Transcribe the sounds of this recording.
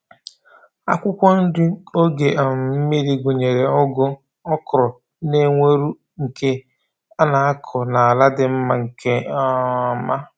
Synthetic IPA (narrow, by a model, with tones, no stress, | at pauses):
a̰˦kʷʊ˦kʷɔ˦n̩˦dʊ˦o˦ɡe˨ʔa˨m̩˨m̩˦mi˦ɾi˦ɡʷo˨ɲe˨ɾe˨ɔ˦ɡʊ˦ | ɔ˦kɾɔ˨ | ne˦ŋʷe˦ɾu˦ | ŋ̩˨ke˦ | a˦na˨a˦kʰɔ˨na˨a˨la˦dɪ˨m̩˦ma˦ŋ̩˨ke˦ | ma˦